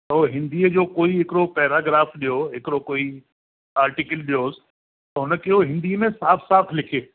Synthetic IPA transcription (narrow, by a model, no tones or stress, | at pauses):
t̪ɐoɦɪ̃nd̪iːəd͡ʑoːkoːiɦɪkɪɽopɛːɾaːɡɾaːfɗijoɦɪkɪɽokoːi | aːɾʈɪkəlɗijoːs | t̪ɐɦʊnəkioɦɪ̃nd̪iːəmẽsaːfʰsaːt̪ʰlɪkʰeː